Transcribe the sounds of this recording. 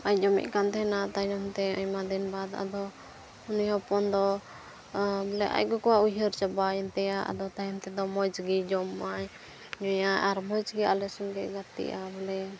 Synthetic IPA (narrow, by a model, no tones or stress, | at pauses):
aj̚d͡ʒɔmḭc̪̚ˀkant̪ɛnat̪anamt̪ɛəɲmad̪inbad̪a̰d̪ɔ | unihɔpɔnd̪ɔ | bɛlɛ̰ʔa̰c̚ɡɔkɔwaujɦəɾt͡ʃabajɛnt̪ɛjaʔa̰d̪ɔt̪ajɛnt̪ɛd̪ɔmɔjd͡ʒɡid͡ʒɔmːaj | ɲɔjaaɾmɔd͡ʒɡialɛsuŋɡɛʔɡat̪ḭʔabɛlɛ